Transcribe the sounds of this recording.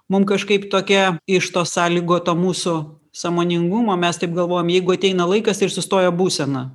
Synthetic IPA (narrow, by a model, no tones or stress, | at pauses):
mʊmkɐʃkɐɪpt̪oːkʲɛɪʃt̪oːsɑːlʲiːɡoːt̪oːmuːsʊ | sɑmoːnʲɪŋɡʊmoːmʲɛst̪ɐɪp̚ɡɐlˠʋoːjoːmjɛɪɡʊɐt̪ʲɛɪnɐlˠɐɪkɐsɪɾsʊst̪oːjobuːsʲɛnɐ